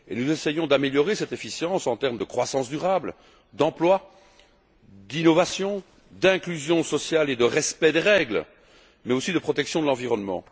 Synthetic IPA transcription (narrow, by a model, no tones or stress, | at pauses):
ḛnuzesɛjɔ̃d̪ameljɔʁesɛt̪efisjɑ̃sɑ̃t̪ɛʁmd̪əkχwasɑ̃sd̪yʁabl | d̪ɑ̃plwa | d̪inɔvasjɔ̃ | d̪ɛ̃klyzjɔ̃sɔsjaled̪əʁɛspɛd̪eʁɛɡl | mɛosid̪əpχɔt̪ɛksjɔ̃d̪əlɑ̃viʁɔnmɑ̰̃